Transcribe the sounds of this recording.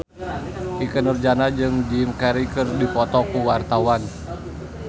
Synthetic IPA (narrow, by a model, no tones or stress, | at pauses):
ʔikənərd͡ʒanad͡ʒɨŋd͡ʒimkɛɾikɨrdipɔt̪ɔkuwart̪awan